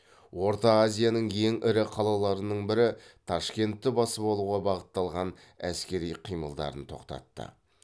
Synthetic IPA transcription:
wo̞ɾt̪ɑːzʲijanəɴje̞ŋʔɪɾɪqʰɑlˠɑlˠɑɾənəɴbɪɾɪt̪ʰɑʃkʲe̞nt̪ːɪbɑsəpolˠuʁɑbɑʁət̪ːɑlˠʁɑn | æskʲe̞ɾijqʰijməlˠd̪ɑ̰ɾənt̪ʰo̞̰qt̪ɑ̰t̪ːə̰

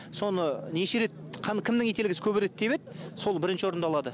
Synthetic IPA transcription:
so̞nəneʃe̞ɾe̞t̪̚qʰɑnkʲʰɪmd̪ɪŋet̪e̞lɪɡʲɪsɪkʲʰɵbɪɾe̞t̪̚d̪eβe̞d̪so̞lˠbɪɾɪnʃɪwo̞ɾənd̪ɑlˠɑd̪ə

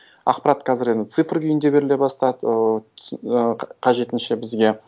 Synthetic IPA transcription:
ɑ̰qpɑɾɑt̪qʰɑzɪɾe̞nd̪ɪt̪sɨfrkʲʰʏjɪnd̪e̞be̞ɾɪle̞bɑst̪ɑd̪ə | qʰɑʒe̞t̪ɪnʃe̞bɪzɡʲe̞

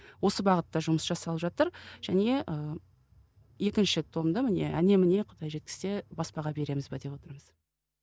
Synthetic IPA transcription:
wo̞səbɑʁət̪ːɑʒʊməsʒɑsɑlˠəpʒɑt̪əɾʒ̥æne̞ʔə | je̞kʲɪnʃɪt̪ʰo̞md̪əmɪne̞ʔæne̞mɪne̞qʰə̥t̪ɑjʒe̞t̪kʲɪ̥se̞bɑspɑʁɑbe̞ɾe̞mɪzbed̪e̞pwot̪əɾməz̥

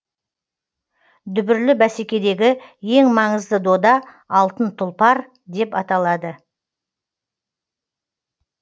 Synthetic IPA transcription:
d̪ʏbɪɾlɪbæse̞kʲe̞d̪e̞ɡʲɪje̞ŋmɑɴəzd̪əd̪o̞d̪ɑː | lˠt̪ənt̪ʰʊlˠpɑɾ | d̪e̞pɑt̪ɑlˠɑd̪ə

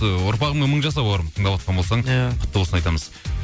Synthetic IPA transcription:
əʊɾpɑʁəmeməɴʒɑs̬ɑpoɾət̪ʰəɴd̪ɑpwot̪ʁɑnbo̞lˠsɑɴqʰʊ̥t̪ːəwosənɑjt̪ɑməz̥

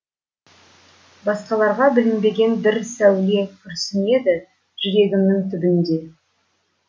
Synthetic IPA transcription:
bɑsqɑlˠɑɾʁɑbɪlɪmbe̞ɡʲe̞nbɪɾsæwle̞kʲʰʏɾsɪne̞d̪ɪ | ʒ̥ʏɾe̞ɡʲɪmnɪŋt̪ʰʏbɪnd̪e̞

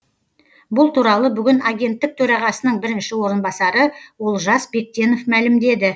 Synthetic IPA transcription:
bʊlˠt̪ʰuɾɑlˠəbʏɡʲɪnɑɡʲe̞nt̪ːɪk̚t̪ʰɵɾɑʁɑsənəɴbɪɾɪnʃɪwo̞ɾənbɑsɑɾəwo̞lˠʒɑsbe̞k̚t̪ʲe̞no̞fmælɪmd̪e̞d̪ɪ

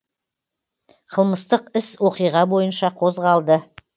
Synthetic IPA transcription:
qʰəlˠməst̪əqɪswo̞qijʁɑbo̞jənʃɑqʰo̞zʁɑlˠd̪ə

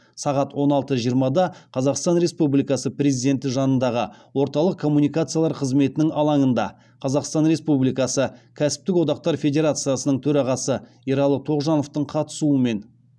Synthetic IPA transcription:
sɑʁɑt̪wo̞nɑlˠt̪əʒijəɾmɑd̪ɑqʰɑzɑqst̪ɑnɾe̞spublijkɑsəpre̞zijd̪e̞nt̪ɪʒɑnənd̪ɑʁəwo̞ɾt̪ɑlˠəq̚kʰːo̞mːunijkat̪sɨjɑlˠɑɾqʰəzme̞t̪ɪnɪŋɑlˠɑŋənd̪ɑ̰ | qʰɑzɑqst̪ɑnɾe̞spublijkɑsəkʲʰæsɪ̥p̚t̪ɪkwo̞d̪ɑq̚t̪ɑɾfʲe̞d̪ʲe̞ɾat̪sɨjasənəɴt̪ʰɵɾɑʁɑsə | iɾɑlˠət̪ʰo̞ʁʒɑnoft̪əɴqʰɑt̪ə̥suəme̞n

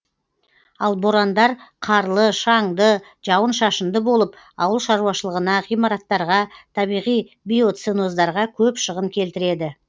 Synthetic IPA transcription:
ɑlˠboɾɑnd̪ɑɾqʰɑɾlˠəʃɑɴd̪ə | ʒ̥ɑwənʃɑʃənd̪əbo̞lˠəp | ɑ̰wəlˠʃɑɾuwɑʃəlˠəʁənɑʁijmɑɾɑt̪ːɑɾʁɑt̪ʰɑβijʁij | bijo̞t̪seno̞zd̪ɑɾʁɑkʲʰɵpʃəʁəŋkʲʰe̞lt̪ɪɾe̞d̪ɪ

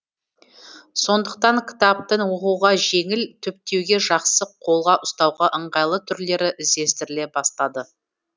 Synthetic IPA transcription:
so̞nd̪əq̚t̪ɑŋkʲʰɪ̥t̪ap̚t̪əɴwo̞quʁɑʒe̞ŋɪlt̪ʰʏp̚t̪e̞wɡʲe̞ʒɑqsəqʰo̞lˠʁɑʔʊst̪ɑwʁɑʔəɴʁɑjlˠət̪ʰʏɾle̞ɾɪʔɪzd̪e̞st̪ɪɾɪle̞bɑst̪ɑd̪ə

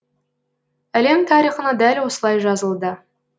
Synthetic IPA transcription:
æle̞mt̪ʰɑɾiχənɑd̪ælʲwosəlˠɑjʒɑzəlˠd̪ə

